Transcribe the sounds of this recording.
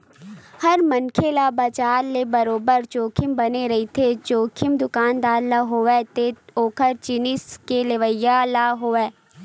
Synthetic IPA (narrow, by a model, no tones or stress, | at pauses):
hɐɾmɐnkʰelabɐt͡ʃaːɾlebɐɾoːbəɾt͡ʃoːkʰɪmbɐneɾɐɦit̪ʰet͡ʃoːkʰɪmd̪ʊkaːnd̪aːɾlaɦoɛːt̪eoːkʰəɾt͡ʃɪnɪskeleʋəjalaɦoːʋɛː